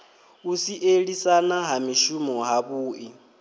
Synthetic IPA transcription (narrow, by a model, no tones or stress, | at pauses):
usiʔeɺisanaɦamiʃumɔɦaβuːʔi